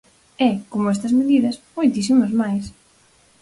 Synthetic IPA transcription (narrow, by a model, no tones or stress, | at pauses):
ɛkomʊɛst̪ɐzmeðiðɐsmojt̪isimɐzmajs